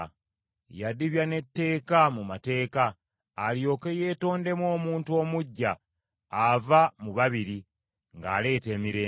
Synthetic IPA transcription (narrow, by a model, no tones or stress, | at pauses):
jadiβjane̞tːe̞ːkamumate̞ːkaː | ljo̞ːke̞je̞ːto̞ːnde̞mwo̞ːmuːntuo̞ːmuɟːaː | vamuβaβiɾi | ŋɡa̰ːle̞ːte̞ːmiɾeː